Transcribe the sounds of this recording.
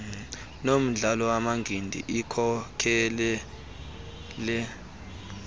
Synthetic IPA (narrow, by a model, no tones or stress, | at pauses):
nom̩ɮalɔwamaŋɡʱindʱḭʔikʰɔkʰɛlɛ | lɛ